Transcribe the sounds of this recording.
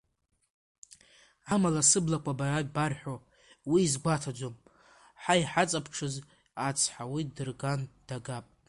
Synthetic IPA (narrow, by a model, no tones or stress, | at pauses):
amalasɨblakʷʰabaraɡʲbarħʷᶣo | wiːzɡʷatʰad͡ʒʷom | ħaiħat͡sʼapʰʈ͡ʂʰɨz | at͡sʰħawidɨrɡand̥aɡapʼ